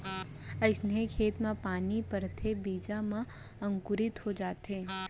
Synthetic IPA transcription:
ɐɪsnekʰeːt̪mãpaːnipɐɾt̪ʰebiːd͡ʒamã | ɐ̃ŋkʊɾɪt̪ɦod͡ʒaːt̪ɦẽː

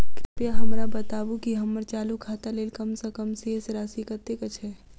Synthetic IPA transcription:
kɪpjaɦɐmɾabɐt̪aːbukiɦɐməɾt͡ʃaːlukʰaːt̪aleːlkɐmsakəmseeseɾaːsikət̪ekət͡ʃʰeː

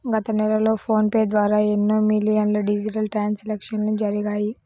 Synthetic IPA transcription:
ɡɐt̪ɐnɛlɐlo̞ːpʰo̞ːnpeːd̪ʋaːɾaːenːoːmilijɐnloːɖid͡ʒiʈɐlʈɾaːnslɛkʂɐnnud͡ʒɐɾiɡaːji

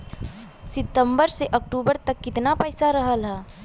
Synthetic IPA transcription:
sɪt̪əmbəɾseʔək̚ʈuːbəɾt̪əkːɪt̪napəɪsaɾəɦəlɦɛ̃ː

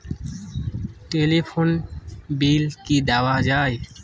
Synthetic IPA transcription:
ʈelipʰonbilkid̪awad͡ʒaːe

